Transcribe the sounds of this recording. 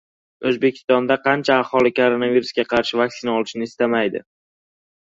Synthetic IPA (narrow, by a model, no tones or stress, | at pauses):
ɵzbekʲʰɪ̥st̪ɒnd̪aqʰɑnt͡ʃʰaːhɒlˠɪkʰoɾonaviɾusɡʲaqʰɑɾʃɪvakʲsɪnaɒlˠɪʃɪnɪːst̪amajd̪ɪ̰